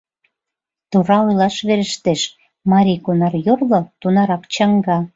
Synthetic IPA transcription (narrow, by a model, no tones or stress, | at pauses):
t̪uɾɑujlɑʃβeɾəʃt̪eʃ | mɑɾʲijkonɑrjorlot̪unɑɾɑkt͡ɕɑŋɡɑ